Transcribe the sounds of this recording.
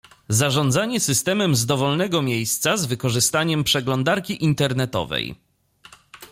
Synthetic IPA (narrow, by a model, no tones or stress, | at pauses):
zaʐɔnd̪zaɲɛsɘst̪ɛmɛmzd̪ɔvɔlnɛɡɔmʲjejst̪sazvɘkɔʐɘst̪aɲɛmpʂɛɡlɔnd̪aɾkʲiʔint̪ɛɾnɛt̪ɔ̰vɛ̰j